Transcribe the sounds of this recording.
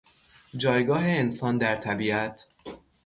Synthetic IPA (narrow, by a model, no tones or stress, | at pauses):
d͡ʒɒːjɡɒːɦe̞ensɒːnd̪æɾt̪ʰæbiæt̪ʰ